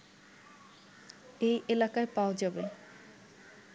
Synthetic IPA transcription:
ejʔelakaepaod͡ʑabe

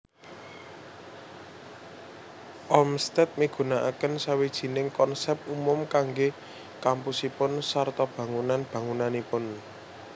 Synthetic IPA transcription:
ʔɔmst̪ɛt̪̚miɡ̥ṳnaʔa̰kənsawid̥ʒ̥i̤nɪŋkɔnsɛp̚umʊmkaŋɡe | kampusipʊnsart̪ɔb̥ä̤ŋunanb̥ä̤ŋunanipʊn

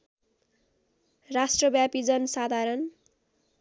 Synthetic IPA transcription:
rasʈrʌbjapid͡zʌnsad̪ʱaɾʌn

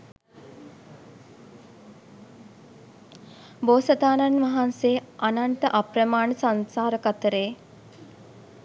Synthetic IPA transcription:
boːsəd̪aːnanʋaɦanseːʔananʈəʔaprəmaːɳəsansaːɾəkat̪əɾeː

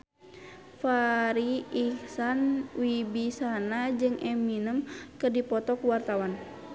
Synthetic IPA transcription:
faɾiːhsanwibisanad͡ʒɨŋʔɛminəmkɨrdipɔt̪ɔkuwart̪awan

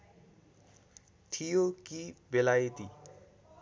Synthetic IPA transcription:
t̪ʰijokibelajt̪i

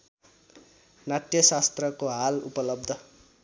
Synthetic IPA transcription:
nat̪jʌsast̪rʌkoɦalṵpʌlʌb̚d̪ʱʌ

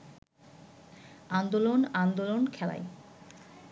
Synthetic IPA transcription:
and̪olonand̪olonkʰɛla̰e

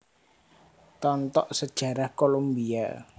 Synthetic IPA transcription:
t̪ɔnt̪ɔʔsəd̥ʒ̥a̤ɾahkolombia̰

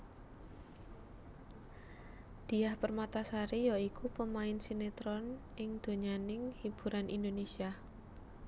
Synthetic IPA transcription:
d̪̥i̤ahpərmat̪asaɾijɔikupəmaɪnsinet̪ɾɔn | ɪŋd̪̥o̤ɲanɪŋhib̥ṳɾʔanʔḭnd̪onesia

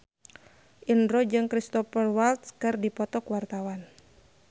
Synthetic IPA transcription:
ʔindɾɔd͡ʒɨŋkɾist̪ɔpərwalt̪̚skɨrdipɔt̪ɔkwart̪awan

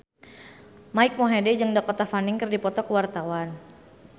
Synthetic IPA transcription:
maik̚moɦedɛd͡ʒɨŋdakɔt̪afanɪŋkɨrdipɔt̪ɔkəwart̪awan

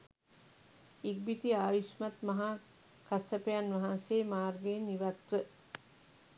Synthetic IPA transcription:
iɡ̚bit̪iaːʋiʃmat̪mɐɦa | kasəpejanʋɐɦanseːmaːrɡenːiʋat̪ʋə

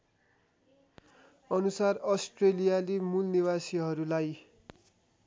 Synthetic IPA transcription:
ʌnusarʌsʈrelijalimulniwasiɦʌɾulaj

